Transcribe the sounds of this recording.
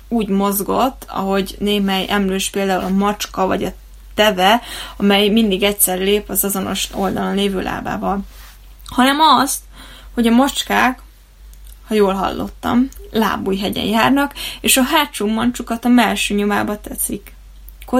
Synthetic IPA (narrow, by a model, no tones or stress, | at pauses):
uːɟmo̞zɡo̞t̪ːɒ̰ɦo̞ɟneːɦɛjʔɛmløːʃpeːld̪aːṵlɒmɒt͡ʃkɒvɒɟɒ | t̪ɛvɛɒmɛjmind̪iɡɛcsɛrleːpɒzɒzo̞no̞̰ʃo̞ld̪ɒlonleːvø̰ːlʔa̰ːba̰ːvɒl | hɒnɛmɒst̪ | ho̞ɟɒmɒt͡ʃkaːk | hɒjoːlɦɒ̰lːʔo̞̰t̪ːɒ̰mla̰ːbujɦɛɟɛ̰jjaːrnɒkeːʃɒɦaːt͡ʃuːmːɒnt͡ʃukɒt̪ɒmɛlʃøːɲomaːbɒt̪ɛsikː | o